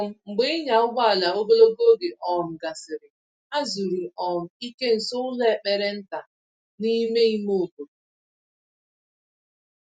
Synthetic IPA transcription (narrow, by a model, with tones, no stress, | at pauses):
m̩˦ŋ͡m̩˨ɡ͡bɪ˦ɪ˦ɲa˨ʊ˦ɡ͡ba˦a˨la˨o˦ɡo˦lo˦ɡo˦ɡe˨ʔɔ˨m̩˨ɡa˨sɪ˨ɾɪ˨ | a˦zu˨ɾi˨ʔɔ˨m̩˨i˦ke˦n̩˨sʊ˦ʊ˦le˦˨k͡pe˨ɾe˦n̩˦ta˨ | ni˦me˦i˦mo˦˨ko˨